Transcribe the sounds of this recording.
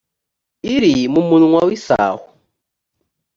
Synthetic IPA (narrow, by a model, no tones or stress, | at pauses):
iɾimumunuŋwawisa̰ːhu